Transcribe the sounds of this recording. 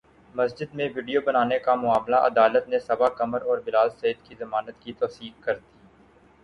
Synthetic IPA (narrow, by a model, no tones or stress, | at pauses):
mɐsd͡ʒɪd̪mẽʋiːɖijobɐnaːnekamʊaːmlaʔɐ̰d̪aːlət̪nẽsɐbakɐməɾɔːɾbɪlaːlseːəd̪kizɐmaːnət̪kit̪ɔːsiːkkɐɾt̪iː